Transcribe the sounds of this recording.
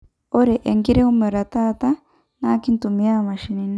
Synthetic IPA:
o˦ɾɛ˨ʔe˨ŋɡi˦ɾe˦u˦me˨ɾa˨t̪a˦t̪a˦ | na˦ki˦n˦tu˨mi˦a˦ma˨ʃi˨ni˨ni˦

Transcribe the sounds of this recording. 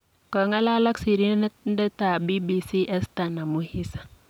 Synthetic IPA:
ka˨ŋa˦la˦la˦ksi˨ɾi˦n˦dɛ˦ta˨bi˦bi˦si˦ʔɛ˦sta˨na˨mu˦hi˦sḁ˨

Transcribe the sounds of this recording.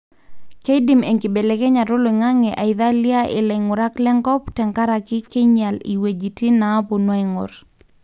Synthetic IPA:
ke˦di˨me˨ŋkɪ˨be˨le˨kɛ˦ɲa˨ɾo˦lo˨ɪ˨ŋa˦ŋɛ˨ʔa˨ɪ˨ða˦lja˦ʔɪ̰˨lɛ˨ŋʊ˨ɾa˦klɛ˦ŋɡɔ˦ptɛ˨ŋka˦ɾa˨kɪ˦ke˦ɲa˨lḭ˨we˨d͡ʒi˨ti˦naː˨˦po˨nwa˦ɪ˨ŋʊ̰˨ɾ

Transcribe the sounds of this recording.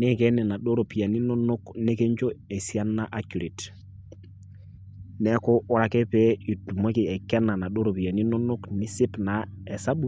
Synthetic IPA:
ne˦ke˦nɛ˨na˨ɗo˦ɾo˨pi˨ja˨ni˦no˦no˦kne˦ke˦ɲt͡ʃo˦e˨si˦a˦nːa˦ʔa˦ku˨ɾi˨t | nɛ˦ko˦ɔ˦ɾa˨kɛ˦pe˦i˨du˨mo˦ki˨ɛ˨ka˦nːa˨na˨ɗo˦ɾo˨pi˨ja˨ni˦no˦no˦kni˦si˦pna˨ɛ˨sa˦ɓu˦

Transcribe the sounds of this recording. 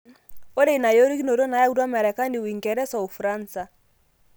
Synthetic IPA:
o˦de˦i˨na˨jo˦ɾi˦ki˦no˨ɾo˦na˨ja˦u˦dwa˦mɛ˨ɾɛ˨ka˦ndi˨wi˨ŋɡɛ˨ɾɛ˦sɔ˨o˨fɾa˦nsa˨

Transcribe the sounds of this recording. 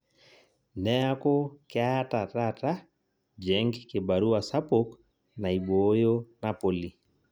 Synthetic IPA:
nɛ˦a˦ko˦kɪ˦a˦ta˨ta˦ta˦ | d͡ʒɛ˨ŋɡkɪ˨ba˨ɾu˦a˨sa˦po˦k | na˨i˨ɓo˦jo˦na˦po˨li˨

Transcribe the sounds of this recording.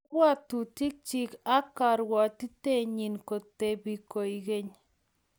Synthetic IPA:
wa˦tu˨ti˦k̚t͡ʃi˦ka˦ka˨ɾwɔ˨t̪i˦t̪e˦˨ɲi˨nko˨t̪e˨bi˨ko˨i˨ɡe˦ɲ

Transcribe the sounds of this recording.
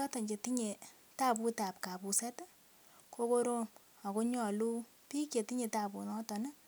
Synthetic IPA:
ɔ˦tɔ˨ɲt͡ʃe˨ti˦ɲe˨ | ta˦pu˦ta˨p̚ka˨pu˨sɛ˦t | ko˦ko˦ɾo˦ | a˨ko˦ɲɔ˨lu˦ | pi˦kje˨ti˦ɲe˨ta˨pu˨nɔ˦tɔ˨nɛ˦

